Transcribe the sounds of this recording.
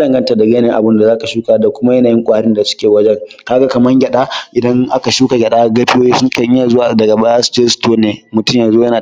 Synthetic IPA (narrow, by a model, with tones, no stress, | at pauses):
dɐ˨ŋɡɐ˦nta˨da˨ɡʲeː˦nɪ˦ʔa̰˨bʊ˦nda˨zaː˦ka˨ʃuː˦kaː˨da˨kʷʊ˦ma˦jɐ˦naː˨jɪ˦ŋkʷʼa˨ha˨˦ɾɪ˦nda˨sʊ̥˦kʲeː˨wɐ˦d͡ʒɛ˦ŋkaː˦ɡa˦kɐ˨mɐ˦ŋɡʲɐ˨ɗaː˦ʔɪ˨dɐ˦ŋʔa˦ka˨ʃuː˦ka˨ɡʲɐ˨ɗaː˦ɡɐ˦ɸɪ˦joː˦ji˦sʊ˦ŋkɐ˦ɲː˦aː˨zʊ˦wa˨dɐ˨ɡa˨ba˦ja˦ste˦stoː˦neː˨mʊ˨tʊ˦mjɐ˨nzoː˦jɐ˦naː˨